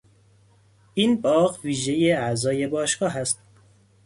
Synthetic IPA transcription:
ʔiːnbɒːɣviːʒe̞je̞æzɒːje̞bɒːʃɡ̥ɒːɦæst̪

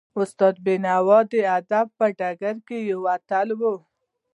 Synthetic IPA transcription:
ʊst̪ɔd̪̚benawɔd̪ead̪ab̚paɖaɡaɾkejəwat̪albo

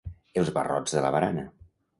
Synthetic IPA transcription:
elˠzβərɔ̰d͡zzðələ̰βəɾanə

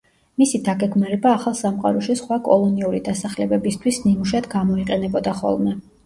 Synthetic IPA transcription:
misid̪aɡɛɡmaɾɛbaːχalˠsamqʼa̰ɾɔʃisχwakʼɔlˠɔniuɾid̪asaχlɛbɛbist̪ʰwisnimuʃad̪ɡamɔiqʼɛnɛbɔd̪aχɔ̰lˠmɛ

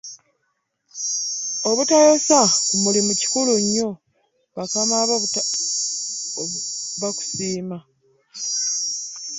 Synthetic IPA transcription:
o̞βutajosakumulimuci̥kuluɲːo̞ | βakamaβ | βaku̥siːma

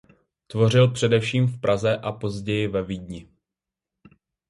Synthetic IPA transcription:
t̪vo̞rɪlpr̝̥ɛdɛfʃiːmfpɾʔazɛʔapo̞zɟɛjɪvɛviːdɲɪ

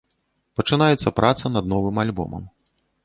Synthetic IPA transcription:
pɐt͡ʂɨnajɛt̪sːɐpɾʔat̪sɐnɐd̪nɔvɨmalʲbɔ̰mɐ̰m

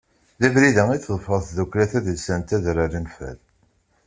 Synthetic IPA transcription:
ðæbɾiðæŋiθðˤfəɾθðukʷlæθæðəlsænt̪æðɾaɾimfæ̰l

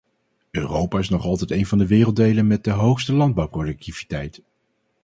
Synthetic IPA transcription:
øːrowpaːɪsnɔχɑlˠtɛjtejnvɑndəʋɪːrəlˠdejlənmɛt̚dəɦowχstəlɑnd̚bɑwprodɨk̚tiv̥i̥tɛjt

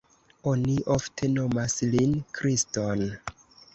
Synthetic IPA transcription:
oniʔoftʰe̞no̞maslinkɾiston

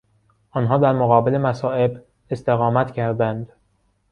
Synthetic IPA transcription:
ʔɒːnɦɒːd̪æɾmoɣɒːbele̞mæsɒːe̞b | est̪e̞ɣɒːmæt̪ʰcʰæɾd̪ænd̪

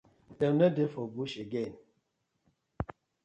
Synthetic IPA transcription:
dɛnədefɔbuʃeɡen

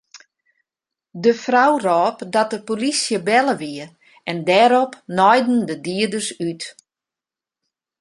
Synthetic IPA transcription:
dəfrawrɔːpdɔt̚dəpolisjəbɛləʋiə | ɛndɛːɾɔpnɔjdn̩dədiədərsyt

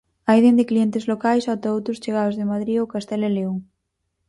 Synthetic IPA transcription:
ajðend̪ɪklient̪ɪzlokajsat̪aowt̪ɾʊst͡ʃeɣ̞aðozðɪmaðɾiokast̪ɛlɛleo

